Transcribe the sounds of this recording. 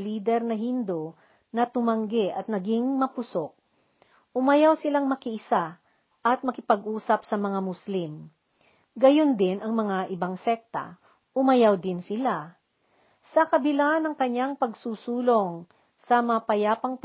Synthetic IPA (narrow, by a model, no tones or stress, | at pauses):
liːd̪ɛɾnɐɦind̪o | nɐt̪ʊmɐŋɡɛʔɐt̪̚nɐɡiŋmɐpʊsok̚ | ʔʊmɐjawsɪlaŋmɐkɪʔɪsa | ʔɐt̪̚mɐkɪpɐɡʔuːsɐpsɐmɐŋamʊslim | ɡɐjo̞nd̪ɪnʔɐŋmɐŋaʔɪbaŋsɛk̚t̪ɐ̰ | ʔʊmɐjawd̪ɪnsɪla | sɐkɐbɪlanɐŋkɐɲaŋpɐɡsuːsuːloŋ | sɐmɐpɐjaːpɐŋp